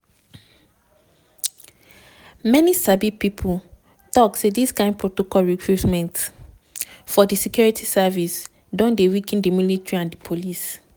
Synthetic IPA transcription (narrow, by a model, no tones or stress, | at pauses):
mɛnisabipipʰu | tɔksediskãɪ̃nd̚pʰɹotokɔlɹikʰɹutmɛ̃nt | fɔdisikjuɹitʰisavis | dɔ̃ndewikɛ̃ndimilitɹiãndipʰolis